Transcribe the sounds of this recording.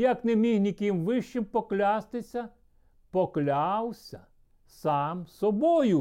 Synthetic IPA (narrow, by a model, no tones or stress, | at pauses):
jɐknɛmʲixnʲikʲɪmʋɪʃt͡ʃɪmpɔklʲast̪ɪsʲɐ | pɔklʲawsʲɐ | sɑmsɔbɔjʊ